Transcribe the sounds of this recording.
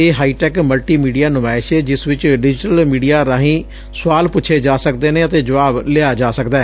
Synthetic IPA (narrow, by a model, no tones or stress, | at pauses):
eːɦaːiːʈɛːkməlʈiːmiːɖijaːnʊmaːɪʃɛːd͡ʒɪsʋɪt͡ʃɖɪd͡ʒʈəlmiːɖijaːɾãːɦĩː | sʊʋaːlpʊtːt͡ʃʰeːd͡ʒaːsəkd̪eːnẽːət̪eːd͡ʒəʋaːbleaːd͡ʒaːsəkd̪aːɛ